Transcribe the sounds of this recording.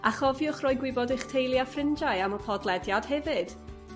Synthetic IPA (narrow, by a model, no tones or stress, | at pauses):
aχɔvjʊχrɔjɡwɪbɔdɪχtʰejlˠjafrɪnd͡ʒaɨaməpʰɔdlˠɛdjad̥hɛvɨd̥